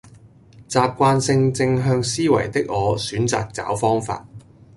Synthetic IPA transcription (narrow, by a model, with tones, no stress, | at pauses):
t͡saː˨p̚kʷaː˧nsɪ˧ŋt͡sɪ˧ŋɦœː˧ŋsiː˥wɐ̰˨˩jt̪ɪ˥k̚ŋɔː˨˧syː˨˥nt͡sa̰ː˨k̚t͡sa̰ː˨˥wfɔː˥ŋfa̰ː˧t̚